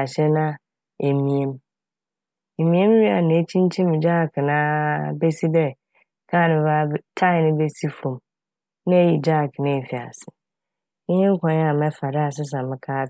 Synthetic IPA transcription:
a˨ɕɛ˦nã˦ | e˨mĩ˨ẽ˦m | e˨mĩ˨˦ẽ˦m˦ɥi˦a˨nã˨e˦t͡ɕʰĩ˦n˦t͡ɕʰĩ˦m̃˨d͡ʑa˦˨knã˦be˦si˦dɛ˦˨ | kʰã˦˨nʊ̃˨˦ba˦btʰa˦˨nɪ̃˦be˦si˦fɾũ˨m | nã˦e˦ji˨d͡ʑa˦˨knã˦e˨fi˨a̰˨sɪ˨˦ | ɲɪ̃˦ŋ̩˦kʷʰɔ̃˨n˦a˨mɛ̃˦fa˨da˦a˨s̬ɪ˦s̬ã˨mɪ̃˨kʰaː˦

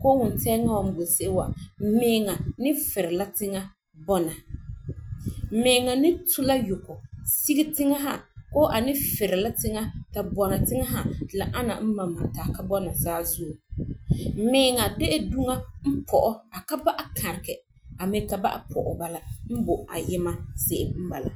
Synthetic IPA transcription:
koː˦wʊ˨n˨tɛː˦ŋa˦wa˨m̩˦bo˨sɪ˦ʔwa̰˨m̩˦mɪː˨˦ŋa˨nɪ˦fɪ˨ɾɪ˨la˦tɪ˦ŋa˦ | bɔ˦na˨ | m̩˨meː˨ŋa˨nɪ˦tʰʊ˦la˦jʊ˨kɔ˨si˦ɡi˦tɪ˦ŋa˦ɦa̰˦˨koː˦ʔa˨nɪ˦fɪ˨ɾɪ˨la˦tɪ˦ŋa˦ta˨bɔ˨na˨tɪ˦ŋa˦ɦa˨la˨ʔa˦na̰˨m̩˦ma˨ma˨taː˨ka˦bɔ˦na˨zaː˦zu˦˨˦ | mɪː˨˦ŋa˨dɛ˦ʔɛ˦du˦ŋa˦m̩˦pʰɔ˨ʔɔ˦a˨ka˦ba˦ʔa˨kʰa˨ɾɪ˨kɛ˨ | a˨mɪ˨ka˨ba̰˦ʔa̰˨pʰɔ̰˨ʔɔ̰˨ba˦la˦m̩˦bʊ˨a̰˨jɪ˦ma˦sɪ˦ʔɪ˦m̩˦ba˨la̰˨

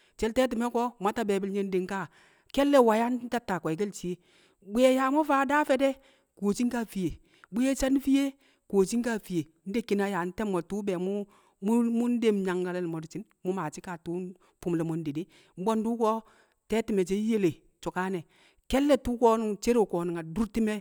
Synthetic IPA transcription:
t͡ʃɛ˦ltɛː˦t̬i˨mɛ˦kɔ˦ma˦ta˦bɛː˨bi˦lɲe˦n˦de˨ŋ˦ka˦˨ | kɛ˦lːɛ˦wa˨ja˦n˦ta˦tːa˨kʷa˨i˨k̬e˦lt͡ʃi˨˦e˦ | bu˦jɛ˨ja˨mɔ˦faː˦da˦fɛ˦dɛ˦ | ko˨t͡ʃi˦ŋka˦fi˨je˨ | bu˦je˦t͡ʃa˦n˦fi˦je˦ | koː˨t͡ʃi˦ŋ˦ka˦˨fi˨je˨˦n̩˦de˦kːi˨na˦ja˨n̩˦tɛ˦mːɔ˨tu˦bɛ˨mu˦ | m˦mu˦n˦de˦˨mɲa˨ŋɡa˨lɛ˦lmɔ˨du˨t͡ʃi˦n | mu˦ma˨t͡ʃi˦ka˨tu˦ | pu˦mlɛ˨mo˨n˦de˨de˦ | m̩˦bɔ˦n˦du˦kɔ˦ | tɛ˦ti˦mɛ˨t͡ʃe˦je˦le˨ | t͡ʃu˨ka˦nɛ˨ | kɛ˦lːɛ˦tu˦kɔ˦n˦t͡ʃe˦ɾe˦˨kɔː˨ni˨ŋa˨du˦ɾti˦mɛ˦

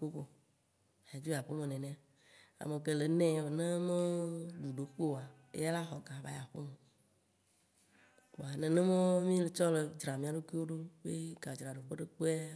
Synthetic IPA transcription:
k͡po˦ko˦˨ | a˨d͡ʒu˦˨a˨ɸe˦mẽ˨nɛ̃˨nɛ̃˦a˨ | a̰˨me˨ke˨le˨nɛ̃˦˨nẽ˦me˦ɖu˨ɖo˨k͡po˦wa˨ | ḛ˦a˦la˦xɔ˨ɡa˨va˦ja˨ɸo̰˦me˨ | k͡po˨a˨nẽ˨nẽ˦mɔ̃˦mĩ˦le˨t͡ʃɔ˦le˨d͡ʒɾa˨mĩ˨a˨ɖo˦ki˦wo˦ɖo˦be˦ɡa˨d͡ʒɾa˨ɖo˨ɸe˦ɖe˦k͡po˦a˦

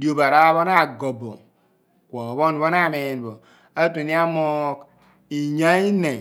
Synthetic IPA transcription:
di˦o˨ba˨ɾa˦βo˦na˦˨ɡo˨bo̰˨ | kʷo˨βo˦n˦bo˦na˦˨me˨n˨bo˨ | a˦tu˨ni˦a˦mo˦k | i˨ɲa˦i˦ne˨

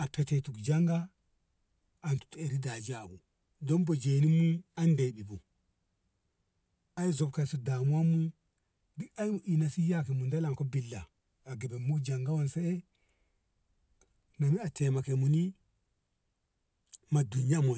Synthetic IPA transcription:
a˨pe˨te˨tu˨kd͡ʒa˦ŋɡa˦ | a˨ntu̥˨te˨ɾi˦da˨d͡ʒi˦a˨bu˨ | do˦nbo˨d͡ʒe˨ni˦mu˦a˦nde˨bi˨bu˨ | a˦i˦zo˨bka˨su˨da˨mu˦wa˦mu˦ | di˦ka˦i˦mu˨ʔi˨na˨si˦ja˦ke˨mu˨nda˦la˨ŋko˦bi˨lːa̰ː˨ | ɡe˨be˨mːu˦kd͡ʒa˨ŋɡa˦wo˦nse˦e˦ | na˨mi˦a˨tʰe˨ma˨ke˨mu˨ni˦ | ma˨du˨nja˦mo˨

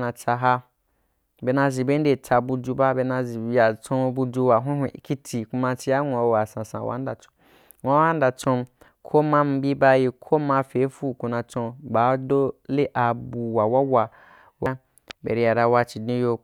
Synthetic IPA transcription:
na˨t͡sa˧ɦa˦˧ | be˧nã˧zi˨be˦n˦de˨t͡sa˧bu˧d͡ʒu˧ba˦be˧na˧zi˨ja˨t͡sõ˧bu˧d͡ʒu˧wa˨ɦʷũ˦ɦʷe˨ʔi˦ki˦tʰi˨ku˧˦ma˧t͡ʃi˧ja˦ŋʷ˨a˨˦a˨sã˨sã̰˨wʔa̰˦n˦da˨t͡sõ̥˨ | ŋʷ˨a˦a˦n˦da˨t͡sõ˧m | kʰo˦mã˦m̩˨bi˦ba˦ji˧kʰo˦mã˧fe˨˦fu˦ku˧nã˧t͡sõ˧ba˨˦do˦le˦ʔa˨bu˨wa˨wa˦wa˧ | wa˦ | bḛ˨ɾi˧ja˨ɾa˧wa˧t͡ʃi˨dnĩ˦jo˧

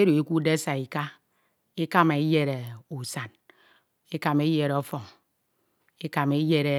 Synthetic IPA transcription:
e˦ɾo˨e˦ku˦de˦sa˨i˨ka˦ | e˦ka˦me˨i˦je˦ɾe˨u˨sa˨n | e˦ka˨me˦je˨ɾo˦fo˨ŋ | e˦ka˨me˦je˦ɾe˨

